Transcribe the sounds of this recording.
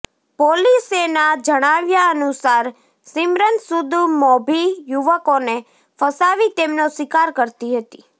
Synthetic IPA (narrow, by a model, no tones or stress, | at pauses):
polisenad͡ʒəɽ̃aʋjaənusaɾ | simɾənsud̪mɔbʱijuʋəkone | fəsaʋit̪emnosʋikaɾkəɾt̪iɦət̪i